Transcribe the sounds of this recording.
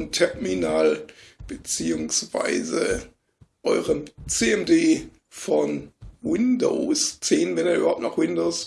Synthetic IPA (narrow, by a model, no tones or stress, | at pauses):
ntʰɛɐminaːlb̥ət͡siːʊŋsv̥a̰ɪzə | ʔɔʏʁənt͡seːɛmdeː | fɔnwɪndo̰st͡seːnvɛneːɐyːbɐhaʊptnɔχwɪndoːs